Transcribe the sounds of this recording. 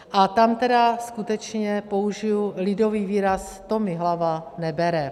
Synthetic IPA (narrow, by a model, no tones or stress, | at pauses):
ʔat̪amt̪ɛdaskut̪ɛt͡ʃɲɛpo̞uʒɪjulɪdo̞viːviːɾas | t̪o̞mɪɦlavanɛbɛɾɛ